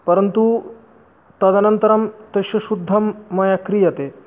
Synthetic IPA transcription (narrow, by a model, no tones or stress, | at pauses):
pɐɾɐnt̪u | t̪ɐd̪ɐnɐnt̪ɐɾɐmt̪ɐʃjɐʃud̪ʱːɐmːɐjɐkɾijɐt̪e